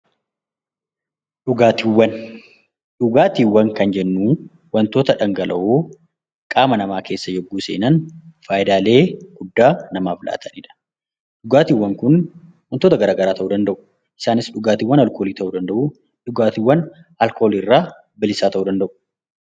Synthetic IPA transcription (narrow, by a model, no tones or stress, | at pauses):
ᶑʊɡaːt̪iwːɐn | ᶑʊɡaːt̪iːwːɐŋkɐnd͡ʒɛnːuː | wɐnt̪o̞ːt̪ɐᶑɐŋɡɐlʔɐʔoː | kʼaːmɐnɐmaːkʰe̞ːsːɐjɔɡːuːseːnɐnfaːjɪd̪aːle̞ːɡ̥ʊd̪ːaːnɐmaːfɪlʔa̰ːt̪ʰɐniːᶑɐ̥ | ᶑʊɡaːt̪iːwːɐŋkʊn | wɐnt̪oːt̪ɐɡɐɾaːɡɐɾaːt̪ɐʔuːd̪ɐnd̪ɐʔʊ̥ | ʔɪ̥saːnɪsᶑʊɡaːt̪iwːɐnɐlko̞ːliːt̪ɐʔuːd̪ɐnd̪ɐʔu | ᶑʊɡaːt̪ɪwːɐn | ɐlkoːlirːaː | bɪlɪsaːt̪ɐʔuːd̪ɐnd̪ɐʔʊ̥